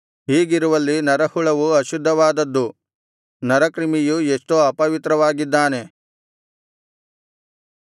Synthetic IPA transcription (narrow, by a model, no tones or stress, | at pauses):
ɦiːɡiɾuʋɐlːinɐɾɐhuɭɐʋuɐʃud̪ʱːɐʋaːd̪ɐd̪ːu | nɐɾɐkɾimijuesʈoɐpɐʋit̪ɾɐʋaːɡid̪ːaːne̞